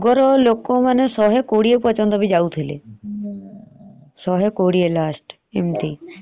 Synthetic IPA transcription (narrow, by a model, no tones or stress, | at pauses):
ɡɔɾɔlokːomanesɔɦekoɽiepɔt͡ʃɔnd̪ɔbid͡ʒawt̪ʰelḛ | sɔɦekoɽielasʈ | emt̪i